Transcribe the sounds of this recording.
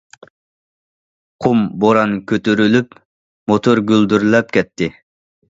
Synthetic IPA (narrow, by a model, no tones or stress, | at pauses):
qʰumboɾɑnkʲʰøt̪yɾylyp | mot̪ʰoɾɡʲyld̪yɾlɛp̚kʲɛt̪ʰːɪ